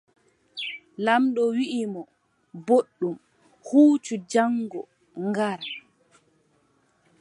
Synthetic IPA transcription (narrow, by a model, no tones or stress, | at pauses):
lamɗɔwiʔimɔ | boɗːum | huːt͡ʃud͡ʒaŋɡɔ | ŋɡaɾ